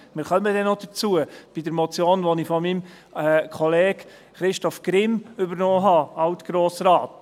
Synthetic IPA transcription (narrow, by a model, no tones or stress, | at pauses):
mɪːɾχœməd̥ɛnod̥ət͡suəb̥idəɾmɔt͡sjoːnʋɔnifɔmim | ɛkʰɔleːɡ | χɾɪʃtɔfɡ̥ɾɪmʏbəɾnɔːɦɑɑwtɡ̥ɾoːsɾɑːt